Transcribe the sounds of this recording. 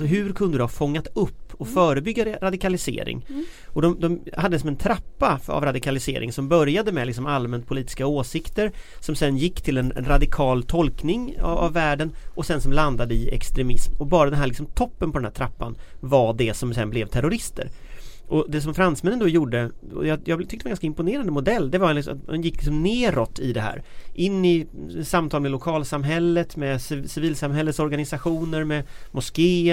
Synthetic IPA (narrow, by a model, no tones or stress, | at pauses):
ɔɦɵ̟ɾkʰɵnd̪əd̪ʉhafɔŋːat̪ɵpːɔfœːɾəbʏɡːaɾad̪ɪkalɪsḛːɾɪ̰ŋ | ɔd̪ɔmd̪ɔmhad̪ːəɪs̬ɔmɛnt̪ʰɾapːaa̰vɾad̪ɪkʰalɪsḛːɾʔɪ̰ŋsɔmbœɾjad̪əmɛlɪksɔmalmɛnt̪̚pʰʊliːt̪ɪ̥skaoːsɪkt̪əɾsɔmsɛnjɪkːt̪ʰɪlɛn̰ɾad̪ɪkʰɑːlt̪ʰɔlknɪŋ̰a̰vːæːɖənɔsɛnsɔmland̪ad̪əɪɛ̰kst̪ɾɛmɪsmɔbɑːɾad̪ɛnɦæːɭlɪksɔmt̪ʰɔpːənpʰɔd̪ɛnæːʈʰɾapːa̰nvaɖɛsɔmsɛ̰nblɛvt̪ʰæɾʊɾɪst̪ə̰ɾʔɔd̪ɛs̬ɔmfɾansmɛnːənd̪ɔjuːɖəɔ̰jɑjɑːɡbt̪ʏkt̪ɛnɡanskaɪmpʊneːɾand̪əmʊd̪ɛlːd̪ɛvaɾ̰ɛnjɪkːlɪksɔmneːɾɔt̪ːɪd̪ɛɦæ̰ːɾʔɪnːɪɛt̪samt̪ʰɑːlmɛlʊkʰɑːlsamɦɛlːət̪mɛssɪviːlsamɦɛlːət̪sɔɾɡanɪsaɧuːnəɾmɛmʊskeː